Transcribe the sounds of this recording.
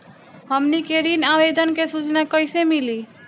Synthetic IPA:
həmnikeɾinabed̪ənkesut͡ʃnakəjsemili

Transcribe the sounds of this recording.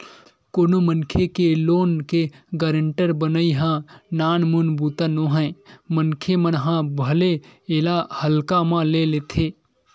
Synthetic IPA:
koːnomənkʰekeloːnkeɡəɾəɳʈəɾbənəiɦãnaːnmunbut̪anõɦɛ̃mənkʰemənɦãbʱəleelahəlkamãleleːt̪ʰeː

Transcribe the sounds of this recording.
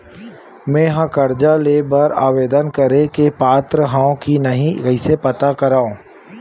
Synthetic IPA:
mẽːɦãkɐɾd͡ʒaleːbəɾaːʋeːd̪ənkɐɾẽkepaːt̪ɾəɦãːõkinɐɦĩɡɐɪsepɐt̪akɐɾaːõː

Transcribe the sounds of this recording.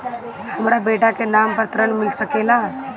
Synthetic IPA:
hɐmɾabeːʈakenaːmpɾət̪əɾəɳmɪlsəkela

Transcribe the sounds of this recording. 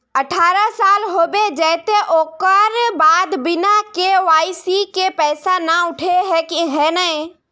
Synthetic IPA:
əʈʰaːɾasaːlɦoːbed͡ʒɛːt̪eʔoːkəɾbaːd̪bɪnakeʋaːɪsikepɛːsanaʊʈʰeɦɛkiɦɛːnəĩ

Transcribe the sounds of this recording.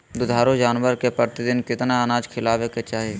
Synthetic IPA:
d̪ʊd̪ʱaːɾod͡ʒaːnʋəɾkepɾəɾt̪ɪd̪ɪnkɪt̪naɐnaːd͡ʒkʰɪlaːʋeket͡ʃaːɦeː

